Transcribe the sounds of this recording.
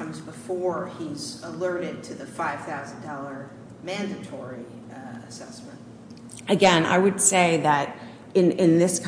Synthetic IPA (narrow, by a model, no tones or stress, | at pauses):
mzbəfɔɹizəlɜ˞ɾɪd̚tʰɨðɨfaɪv̥θaʊzn̩dɔlˠə˞ | mæ̃ndɨtʰɔɹi | ɨsɛsmɨ̃nt̚ | ɨɡɛ̃na̰ɪwɨd̥seɪðɨɾ | ɨ̃nɪ̃nðɪskʰ